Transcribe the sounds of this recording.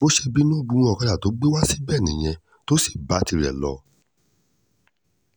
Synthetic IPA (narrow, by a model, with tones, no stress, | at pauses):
bo˦ʃe˧bi˦nũ˦˨ɡ͡bũ˧˦w̃ɔ̃˦ɔ˧ka˧da˦˨to˨˦ɡ͡be˦wa˦si˦bɛ˦˨nĩ˨j̃ɛ̃˧ | to˦si̥˦˨ba˨˦ti˧ɾɛ̰˨lɔ̰˧˨